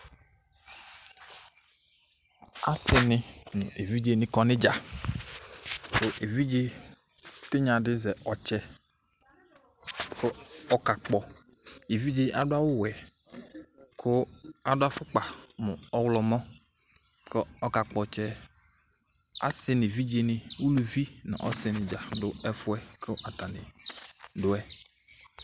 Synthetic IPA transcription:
a̰˦sɪ˦nɪ˨nʊ̰̃˨ʔe˨vi˦d͡ʒe˦nɪ̃˨kɔ˨nɪ˦d͡ʒa˨ | kʊ˦ʔe˨vi˦d͡ʒe˦ | tɪ˦ɲã˨dɪ˦zɛ˨ʔɔ˨t͡ʃɛ˦ | kʊ˦ɔ˦ka˨k͡pɔ˨e˨vi˦d͡ʒe˦ʔa˨dʊ˦a˦wʊ˦wɛ˨ | kʰʊ˦a˨dʊ˦a˦fʊ˦k͡pa˨mʊ˨ɔ˦wlɔ˨mɔ̃˦ | kʊ˦ɔ˦ka˨k͡pɔ˨t͡ʃɛ˦ | a̰˦sɪ˦nɪ˨vi˦d͡ʒe˦nɪ˨wu˦lu˨vi˦nɪ̰˨ʔɔ̰˦sɪ˨˦nɪ˨d͡ʒa˨dʊ˦ɛ˦fʊ˦ɛ˦kʰɪ˦ʔa˨ta˨nɪ˨ | dʊ˦ɛ˦

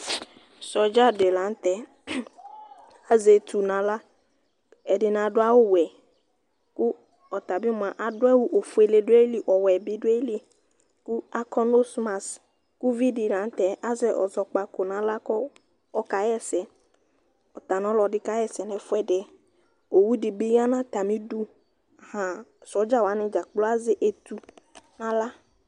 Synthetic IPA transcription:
sɔ˨d͡ʒa˦de˨lã˨˦n˦t̪ɛ˨ | a˦ze˨t̪ʰu˨nã˨˦la˦ | ɛ˨dɪ˨nã˨dʊ˦a˦wo˦wɛ˨ | ku˦ | ɔ˨t̪a˨bɪ˦mʊ˨a˨ʔa˨dʊ˦ɛ˦wu˦ʔo˨fu˨˦e˨le˨dʊ˦e˦li˨ʔɔ˨wɛ˨bi˦dʊ˦e˦li˦ | ku˦a˦kʰɔ˦no˦sma˨s | ku˦vi˦di˨ɾã˨˦n˦t̪ɛ˨ʔa˦zɛ˨ʔɔ̰˨zɔ˨k͡pa˨kʊ˨nã˨˦la˦kɔ˦ | ɔ˦ka˨jɛ˦sɛ˨ | ɔ˨t̪a˨nɔ̃˦lɔ˨dɪ˦ka˦jɛ˦sɛ˨nɛ̃˨fʊ˦ɛ˦dɪ˦ | o˨wu˦di˨bi˦ɣa˦nã˦t̪a˨mĩ˦du˦˨ | hã˨sɔ˨˦d͡ʒa˦wa˨˦nɪ˨d͡ʒa˨k͡plɔ˦a˦zɪ˦ʔe˨t̪u˨nã˨la˦

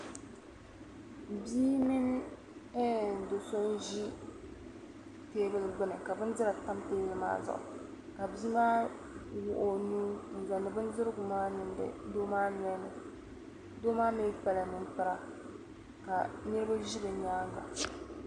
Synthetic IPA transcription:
biː˦mɪ˦n˦ | ɛ˦˨do˨so˦n˦ʒi˦ | teː˦bɨ˦lɡ͡bɨ˦nɨ˨ka˨bɨ˦n˦dɨ˦ɾa˨ta˦mteː˦bɪ˦lma̰ː˦zʊ̰˨ʔʊ̰˨ | ka˨bi˦maː˦ | wʊ˦ʔo˦nuː˦n̩˨za˨nːɨ˨bɨ˦ndɨ˦ɾɡʊ˨maː˦nɨ˨n˦dɨ̰˦doː˦maː˦ɲ˦ɛ˦nɨ˨ | doː˦maː˦mi˦pa˦la˨nɨ˦npɨ˦ɾa˨ | ka˨nɨ˦ɾɨ˦ba˦ʒi˦bɨ˨ɲaː˦ɡa̰˨

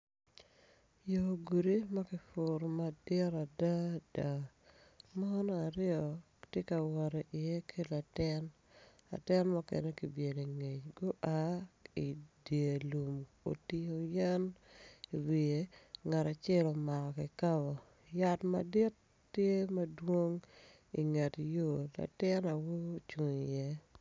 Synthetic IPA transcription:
jo˨ɡu˨ɾi˦ma˦kɪ˨fʊ˨ɾma˨dɪ˦ɾa˨da˦da˨ | ma˦nɔ˦a˨ɾɪɔ˨ | tje˦ka˨wɔ˨ɾɛ˨ʔɪ˨je˦kʰi˦la˨tɪ˦n | a̰˨tɪ˦nmɔ˦kḛ˨ne˦ki˨bje˨li˨ŋe˨t͡ʃɡo˦ʔa˦i˨dje˨lu˨m | o̰˨ti˦o˨ja˦ni˨wi˨e˨ŋa˨ɾa˨t͡ʃɛ˦lɔ˨ma˨kɔ˨kɪ˨ka˦bɔ˨ | ja˦tma̰˨di˦tː | je˦mɐ˦dwo˦ŋ | ḭ˨ŋe˨tjo˦˨la̰˨tɪ˦na˨wo˦t͡ʃu˨ŋi˨jɛ˦

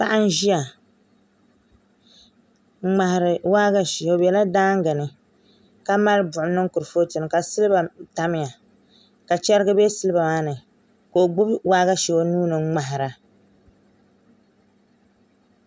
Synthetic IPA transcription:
pa˦ʔa˦n̩˦ʒi˦ja˨˦ | ŋ͡ma˨hɪ˨ɾɨ˨waː˦ɡa˦ʃo˨bɛ˨la˦daː˦ŋ˦ɡa˨nɨ˨ | ka˦ma˦lɨ˦bʊ˨ʔʊ˨nɨ˦ŋ˦kʊ˨ɾfo˦tɨ˨nɨ˨ka˨sɨ˦lɨ˦ba˨ta˨mɪ˦ja˨ | ka˨t͡ʃɛ˦ɾɨ˦ɡɨ˦be˦sɨ˦lɨ˦ba˨maː˦nɨ˨ | ko˨ɡ͡bʊ˦bwaː˦ɡa˦ʃɛ˨o˦nuː˦nɨ˨˦ŋ͡ma˨ɦɪ˨ɾa˨

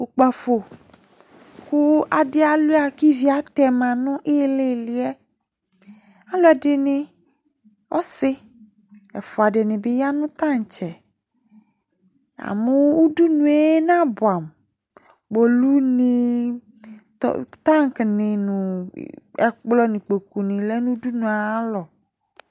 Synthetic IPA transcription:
u˨k͡pa˨fo˨ | kʊ˦a˨dɪ˦a˨lʊ˦a˨ki˦vi˨˦a˨t̪ɛ˨mã˨nʊ̃˦ʔe˦le˦˨li˨˦ɛ˦ | a˦lo˦a˨dɪ˨nɪ̃˦ | ɔ˦sɪ˦ | ɛ˨fɔ˨a˨dɪ˨nɪ̃˨bɪ˦ja˦nʊ̃˦t̪a˦ŋ˨t͡ʃɛ˨ | a̰˨mʊ̃˦u˦du˦nũ˨e˦nã˦bʊ˨a˨m | ɡ͡bo˨lu˦nĩ˨ | tt̪ã˦ŋ˨knɪ̃˨nṵ̃˨ | ɛ̰˨k͡plɔ˦nĩ˨k͡po˨ku˨nɪ̃˨lɛ˦nũ˦du˦nũ˨a˨˦lɔ˨

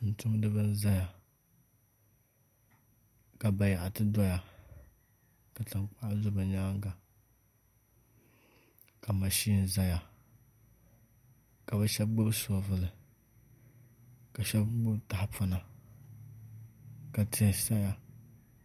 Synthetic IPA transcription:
n̩˨tʊ˦m˦dɨ˦ba˦n˦za˦ja˨ | ka˨ba˨ja˨ʔa˨tɨ˦dɔ˦ja˨ | ka˨tɨ˨ŋk͡pa˦ʔa˦zʊ˦ba˨ɲa˦ŋ˦ɡa˨ | ka˨ma˨ʃi˦n˨za˦ja˨ | ka˨ba˦ʃɛ˦b̚ɡ͡bʊ˦bsɔ˨vɨ˨lɨ˨ | ka˨ʃɛ˦bɡ͡bʊ˦bta˨hɪ˦pʊ˦na˨ | ka˨tʰɪ˨sa˦ja˨

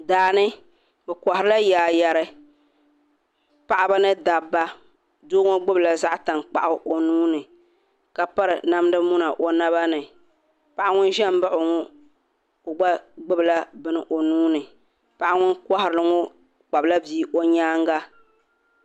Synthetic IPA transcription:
daː˨nɨ˦ | bɛ˨ka˨hɪ˨ɾɨ˦la˦jaː˨ja˨ɾɨ˦ | pa˨ʔa˦ba˦nɨ˦da˨bːa˦ | doː˦ŋo˦ɡ͡bʊ˦bla˨za˦ʔta˨nk͡pa̰˨ʔʊ˦ʔo˨nuː˦nɨ˨ | ka˨pa˦ɾɨ˨na˦mdɨ˦mu˦na˨ʔo˦na˦ba˦nɨ˨ | pa˨ʔa˦ŋʊ˦n˦ʒɛ˦m̩˦ba˦ʔʊ˨ŋɔ˦ | o˨ɡ͡ba˦ɡ͡bɨ˦bɨ˨la˦bɨ˦nɨ˨ʔo˨nuː˦nɨ˨ | pa˨˦ʔa˦ŋʊ˦nka˦hɪ˨ɾɨ˨lɨ˦ŋɔ˦ | k͡pa˨bɨ˨la˦biː˦ʔo˦ɲaː˦ŋ˦ɡa˦

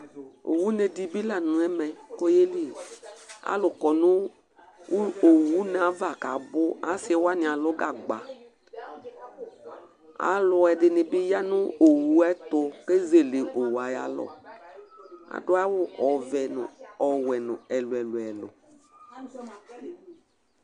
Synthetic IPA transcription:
o̰˨wu˦ne˨di˦bi˦la˨nʊ̃˨ɛ˦mɛ˨ko˦je˦li˦ | a̰˦lʊ˨kɔ˨nʊ˦ | o˨wu˦n˨a˨˦va˨ka˨bʊ˦a˦sɪ˦wa˦nɪ̃˨a˨lʊ˦ɡa˨ɡ͡ba˨ | a̰˨lʊ˨ɛ˨dɪ˨nɪ˨bɪ˦ja˦nʊ˦o˨wu˨˦ɛ˦t̪ʊ˧ke˦ze˨le˨ʔo˨wa˨ja˦lɔ̰˦ | a̰˨dʊ˦a˦wʊ˦ɔ˨vɛ˨n̰˨ɔ˨wɛ˨nʊ̰˨ɛ˨lʊ˨ɛ˨lʊ˨ɛ˨lʊ̰˨

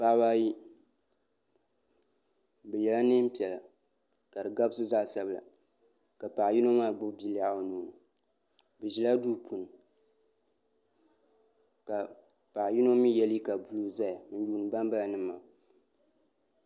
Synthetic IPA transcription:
pa˦ba˦ji˦ | bɛ˨jɛ˨la˦ne˦m̩˦pi˨ɛ˨la˨ | ka˨dɨ˨ɡa˦bsɨ˦zaː˦sa˦bɨ˨la̰˨ | ka˨pa˨ji˦no˦ŋmaː˦˨ɡ͡bʊ˦bbi˦la˦a˨˦nuː˨nɨ˨ | bɛ˨ʒi˨la˦duː˦pʰu˨nɨ˨ | ka˨ | pa˨ji˦no˦ŋmi˦jɛ˦lji˦ka˨bu˦lu˦za˦ja˨mɨ˦n˦juː˦˨nɨ˨ba˦mba˦la˨nɨ˦mːa̰˨

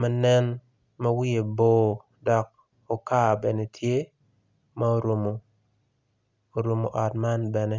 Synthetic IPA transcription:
mɐ˨nɛ˦n | mɐ˦wi˦e˨boː˦ | dɔ˨k̚ | o˨kaː˦bɛ˨ne˨tʰje˦ | ma˦o˦ɾo˨mo˨ | o˨ɾo˨mo̰˨ʔɔ˨tma˦nbɛ˨ne˦

